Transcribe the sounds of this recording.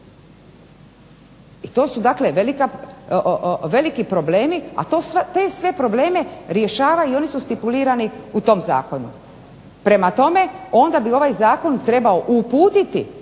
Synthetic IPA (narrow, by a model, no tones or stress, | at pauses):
it̪o̞ːsud̪akleʋelika | ʋe̞likipɾo̞ble̞ːmia̰t̪oːsʋt̪eːsʋe̞pɾo̞ble̞ːme̞ɾje̞ʃaːʋaio̞nisust̪ipuliːɾaniut̪o̞mza̰ːko̞nṵ | pɾe̞mat̪o̞me̞o̞nd̪abio̞ʋajzaːko̞nt̪ɾe̞bao̞ʔupuːt̪it̪ḭ